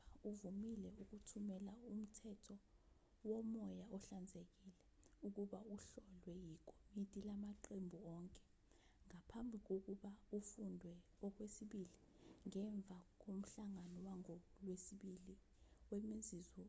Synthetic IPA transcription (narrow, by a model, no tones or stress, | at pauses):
auvumilɛuk̬utʰumɛlaum̩tʰɛtʰɔ | wɔmɔjaɔɬand͡zʱek̬iːlɛ | uk̬uɓauɬɔlwɛjik̬ʰʼo̥mitʼilamaǃembʱuɔːŋkʼɛ̥ | ŋapʰambʱik̬ok̬uɓaufundʱwɛ | ɔk̬wesiɓili | ŋɛɱb̪vʱak̬om̩ɬaŋanɔwaŋɔlwesiɓili | wemizizɔ